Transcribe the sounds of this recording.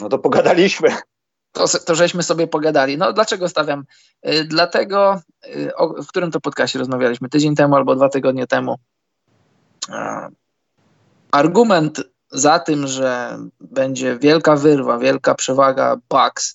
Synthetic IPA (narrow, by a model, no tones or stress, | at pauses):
nɔt̪ɔpɔɡad̪alʲiɕmɘ | t̪ɔst̪ɔʐɛɕmɘsɔbʲjɛpɔɡad̪alʲinɔd̪lat͡ʂɛɡɔst̪avʲjam | d̪lat̪ɛɡɔ | ʔɔfkt̪uɾɘmt̪ɔpɔt̪̚kasɕt͡ɕɛɾɔzmavʲjalʲiɕmɘt̪ɘd͡ʑeɲt̪ɛmualbɔd̪vat̪ɘɡɔd̪̚ɲɛt̪ɛmu | aɾɡumɛnt̪ | zat̪ɘmʐɛbɛɲd͡ʑɛvʲjɛlkavɘɾvavʲjɛlkapʂɛvaɡa̰baks